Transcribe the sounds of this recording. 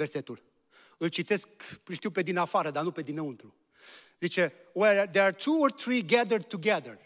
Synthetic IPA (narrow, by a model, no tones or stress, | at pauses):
verse̞t̪ul | ɨlt͡ʃit̪e̞skʃt̪iuwpe̞d̪inafaɾəd̪anupe̞d̪ineɨnt̪ɾu | zit͡ʃe̞weld̪eat̪ʰuoɾθɾiɡɛd̪əɾd̪̚t̪uɡɛðəɹ